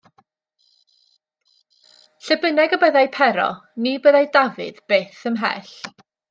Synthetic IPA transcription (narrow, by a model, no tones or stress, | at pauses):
ɬəbənɛɡəbəðajpʰɛɾɔ̰nibəðajdavɨ̰ðb̥eːθəmɦɛ̰ɬ